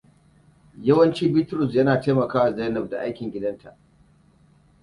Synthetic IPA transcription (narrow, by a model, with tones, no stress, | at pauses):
jɐ˦wɐ˦nt͡ʃiː˦bi˦tɾʊ˨sjɐ˦naː˨teː˦mɐ˨kaː˦wa˨zaː˦nɔ˨ɸ̚da̰˨ʔa˦jkʲɪ˨ŋɡʲɪ˦dɐ˦ntʰa˨ʔ